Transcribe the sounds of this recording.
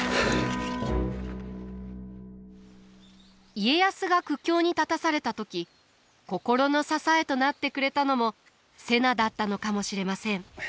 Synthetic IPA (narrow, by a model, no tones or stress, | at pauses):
ie̞jasɨɡakɯ̟kʲːo̞ːɲ̟it̪at̪asaɾe̞t̪at̪o̞kʲi | ko̞ko̞ɾo̞no̞sasae̞t̪o̞nat̪ːe̞kɯ̟ɾe̞t̪ano̞mo̞ | se̞nad̪at̪ːano̞kamo̞ɕiɾe̞masẽ̞ŋ